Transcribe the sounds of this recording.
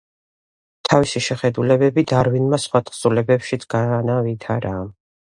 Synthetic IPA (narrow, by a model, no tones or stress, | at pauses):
t̪ʰavisiʃɛχɛd̪ulɛbɛbid̪aɾvinmasχwat̪ʰʼχsulɛbɛpʃit̪sʰɡ̥anavit̪ʰaɾaː